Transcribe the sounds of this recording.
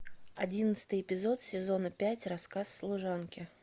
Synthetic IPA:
ɐdʲinət̪sɨ̥t̪ɨjɪpʲɪzot̪sʲɪzo̞nəpʲætʲrɐskasːlˠʊʐankʲɪ

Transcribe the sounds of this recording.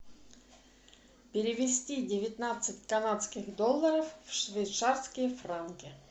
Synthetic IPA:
pʲɪɾʲɪvʲɪsʲtʲidʲɪvʲɪt̪nat̪sɨtʲkɐnat̪skʲɪxd̪olˠːəɾəffʂvʲɪjt̪sarskʲɪjəfrankʲɪ

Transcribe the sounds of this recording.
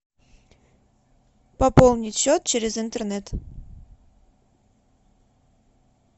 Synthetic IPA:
pɐpolˠnʲɪt̪ʲɕot̪̚t͡ɕeɾʲɪzɪnt̪ernɛt̪

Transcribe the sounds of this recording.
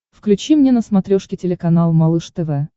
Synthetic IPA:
fklʲʉt͡ɕimnʲenəsmɐt̪ɾʲoʂkʲɪtʲɪlʲɪkɐnalˠmɐlˠɨʂt̪ɛvɛ

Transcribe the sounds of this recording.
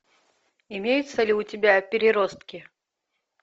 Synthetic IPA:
ɪmʲejʊt̪səlʲɪʊtʲɪbʲapʲɪɾʲɪɾɔst̪kʲi

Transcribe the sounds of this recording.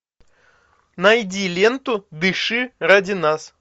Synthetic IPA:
nɐjdʲilʲent̪ʊd̪ɨʂɨradʲɪnas

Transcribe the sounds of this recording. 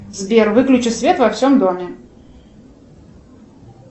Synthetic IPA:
zbʲervɨklʲʉt͡ɕɨt̪sʲvʲet̪vɐfsʲomd̪omʲɪ

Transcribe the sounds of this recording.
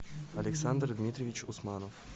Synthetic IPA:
ɐlʲɪksand̪rd̪mʲit̪ɾʲɪvʲit͡ɕʊsmanof

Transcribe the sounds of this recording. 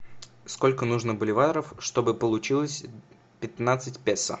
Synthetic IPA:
sko̞lʲkənuʐnəbəlʲɪvat̪əɾəfʂt̪o̞bɨpəlˠʊt͡ɕilˠəsʲ | pʲɪt̪nat̪sɨtʲpʲesːə̰

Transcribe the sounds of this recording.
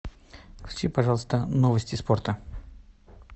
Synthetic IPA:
kʲt͡ɕʲipɐʐɑlˠəst̪ənovəsʲtʲɪsport̪ə

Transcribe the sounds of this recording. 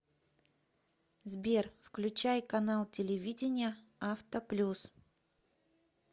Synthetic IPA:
zbʲerfklʲʉt͡ɕæjkɐnalˠtʲɪlʲɪvʲidʲɪnʲɪjəaft̪əplʲus

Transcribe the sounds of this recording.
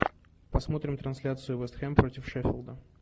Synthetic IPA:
pɐsmo̞t̪ɾʲɪmt̪ɾɐnsʲlʲat̪sɨjʊvɛst̪xɛmpɾotʲɪfʂɛfʲɪlˠd̪ə

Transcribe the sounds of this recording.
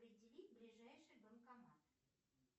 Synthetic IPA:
pɾʲɪdʲɪlʲitʲblʲɪʐajʂɨjbəmkɐmat̪

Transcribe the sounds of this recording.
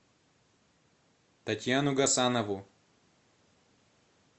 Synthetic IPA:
t̪ɐtʲjanuɡɐsanɐvu

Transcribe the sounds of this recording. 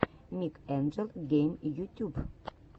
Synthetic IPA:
mikɛnd͡ʒəlɡejmjut̪ʲub

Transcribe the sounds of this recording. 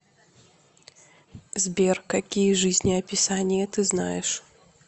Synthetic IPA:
zʲbʲɛrkakʲijɐʐɨzʲnʲiɐpʲisanʲijɐt̪ɨzna̰jɛʂ

